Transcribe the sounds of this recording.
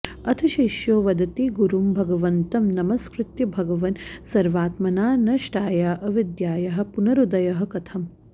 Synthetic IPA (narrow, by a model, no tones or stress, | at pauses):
ɐt̪ʰɐʃiʃjoːʋɐd̪ɐt̪iɡuɾumbʱɐɡɐʋɐnt̪ɐmnɐmɐskɾut̪jɐbʱɐɡɐʋɐnsɐɾʋaːt̪mɐnaːnɐʃʈaːjaːʔɐʋid̪jaːjɐɦɐ̆punɐɾud̪ɐjɐɦɐ̆kɐt̪ʰɐm